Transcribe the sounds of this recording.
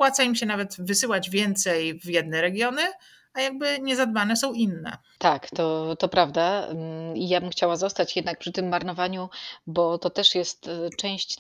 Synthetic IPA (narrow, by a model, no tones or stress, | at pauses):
pwat̪saimɕɛnavɛt̪vɘsɘwad͡ʑvʲjɛnt̪sɛjvjɛd̪nɛɾɛɡʲjɔnɘ | ajaɡ̚bɘɲɛzad̪banɛsɔ̃w̃inːɛ̰ | t̪akt̪ɔt̪ɔpɾavd̪a | ijabɘmxt͡ɕawazɔst̪at͡ɕjɛd̪nak̚pʂɨt̪ɘmːaɾnɔvaɲubɔt̪ɔt̪ɛʂjɛst̪t͡ʂɛ̃w̃ɕt͡ɕ